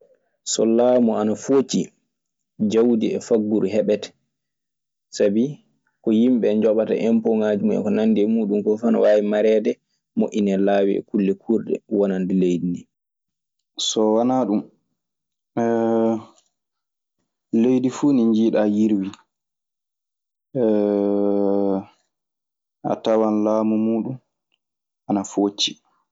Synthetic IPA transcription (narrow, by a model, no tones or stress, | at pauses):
sɔ̰laːmɔanafot͡ʃi | d͡ʒawdiɛfaɡːuɾɦɛɓɛtɛ̥ | sabi | kɔjimɓɛɲd͡ʒɔɓata̰ʔɛmpɔŋaːd͡ʒimɔɛ̰kɔnanːdɛmuːɗumkɔfana̰waːwimaɾɛːdɛ | moʔʲːinɛlaːwiɛ̰kulːɛkʰuɾdɛ̰wanandilejdini | sɔwanaɗum | lejdifuːniɲd͡ʒiːɗajiɾwi | ʔa̰tawanlaːmumuːɗum | anafot͡ʃːi̥